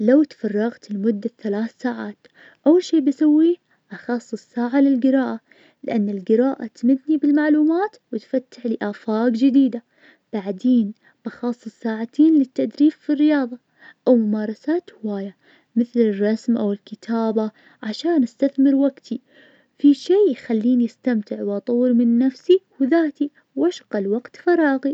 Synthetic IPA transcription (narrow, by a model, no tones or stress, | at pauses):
lawt̪fɑrˤːɑɣt̪ɪlmʊd̪ːaθalaːθsaːʕaːt̪ | ʔawːalʃeːbɪsawːiː | ʔɑxɑsˤːɨsˤːaːʕalɪlɡɪɾɑːʔa | lɪʔanːɪlɡɪɾaːʔa̰t̪mɪd̪nibɪlmaʕluːmaːt̪wɪt̪fat̪ːɪħlɪʔaːfaːɡd͡ʒɪd̪iːd̪a | b̥aʕd̪eːn | b̥ɪxɑsˤːɨsˤːaːʕat̪ʰiːnlɪt̪ːaʔd̪ɾiːffirːɪjɑːðˤɑ | ʔawmʊmaːɾˤɑsaːt̪hɪwaːja | mɪθlɪrˤːɑsmʔawɪlkɪt̪ʰaːba | ʕaʃaːnʔast̪aθmɪɾwaɡt̪ʰi | fiʃeːjxalːiːnjʔast̪amt̪ɪʕwʔɑt̪ˤɑwːɨɾmɪnːafsiwðaːt̪i | wʔaʃqɑlwaɡt̪fɑɾˤɑːɣi